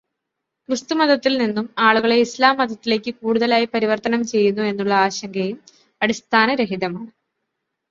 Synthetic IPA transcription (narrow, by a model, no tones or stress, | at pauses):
krɨst̪umɐd̪ɐt̪ːilninːumaːɭuɣɐɭe̞islaːmːɐd̪ʱɐt̪ːile̞ːkʲːɨkuːɽuðɐlaːjipɐɾiʋɐrt̪ɐnɐmt͡ɕe̞jːunːue̞nːuɭːɐaːɕɐŋɡɐjum | ɐɽist̪ʰaːnɐɾeɦiðɐmaːɳɨ